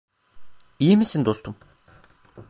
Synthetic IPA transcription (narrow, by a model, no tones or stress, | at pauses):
ijimisind̪ost̪ʰum